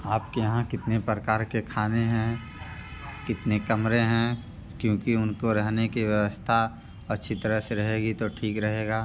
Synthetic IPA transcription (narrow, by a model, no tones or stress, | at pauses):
aːpkejɦãkɪt̪nepɾəkaːɾkekʰaːneɦɛ̃ | kɪt̪nekɐmɾeɦɛ̃ | kjõːkiʊnkoɾɐɦnekiʋjɐʋəst̪ʰa | ɐtːʃʰit̪əɾəseɾɐɦeːɡit̪oʈʰiːkɾɐɦeːɡaː